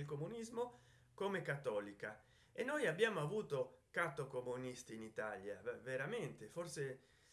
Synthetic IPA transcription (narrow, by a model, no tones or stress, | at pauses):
elkomunizmo | komekat̪ːɔːlika | enːojabːjaːmoavuːt̪okat̪ːokomunist̪iːnit̪aljaveɾamɛnt̪eforse